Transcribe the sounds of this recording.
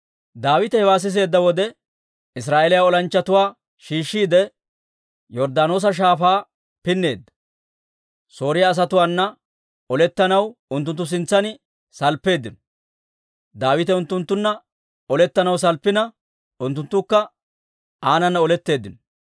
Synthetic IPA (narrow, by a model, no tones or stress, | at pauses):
d̪aːwɪt̪ɛhɛwaːs̬ɪs̬e̞ːd̪ːɐwɔd̪ɛ | ɪsɾaːʔelɪjaɔlɐnt͡ʃːɐt̪ʊwaː | ʃiːʃːiːd̪ɛ | jɔɾd̪aːno̞ːs̬ɐʃ̬aːfaː | pɪnːe̞ːd̪ːɐ̥ | so̞ːɾɪjaːs̬ɐt̪ʊwaːnːɐ | ɔlɛt̪ːɐnɐwʊnt̪̬ːʊnt̪ːʊs̬ɪnt͡sːɐnɪ | sɐlpːe̞ːd̪ːɪnɔ̥ | d̪aːwɪt̪ɛʊnt̪ːʊnt̪ːʊnːɐ | ɔlɛt̪ːɐnɐws̬ɐlpːɪnɐ | ʊnt̪ːʊnt̪ːʊkːɐ | ʔaːnɐnːɐɔlɛt̪ːe̞ːd̪ːɪnɔ